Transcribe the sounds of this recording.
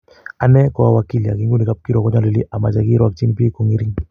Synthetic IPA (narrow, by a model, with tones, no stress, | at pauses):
a˨nɛ˦kɔ˨a˨wa˨ki˦li˨a̰˨ki˦ŋɡu˦ni˨ka˦p̚ki˦ɾɔ˨kɔ˦ɲa˦li˨li˦ʔa˨ma˨t͡ʃa˨ki˦ɾɔ˦a˨k̚t͡ʃi˦npi˦ko˨ŋi˦ɾi˦ŋ